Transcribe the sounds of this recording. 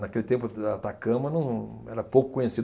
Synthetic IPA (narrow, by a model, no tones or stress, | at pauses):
nakelɪt̪ẽmpʊat̪akɐ̃mɐnɐ̃w̃ | ɛɾɐpowkʊ̥kõɲesid̪